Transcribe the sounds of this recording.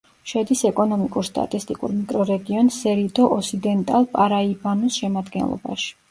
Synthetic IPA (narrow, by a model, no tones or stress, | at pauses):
ʃɛd̪isɛkʼɔnɔmikʼuɾst̪ʼa̰t̪ʼist̪ʼikʼṵɾmikʼɾɔɾɛɡiɔnsɛɾid̪ɔʔɔsid̪ɛnt̪ʼalˠpʼaɾaibanusʃɛmad̪ɡɛ̰nlˠɔ̰ba̰ʃi̥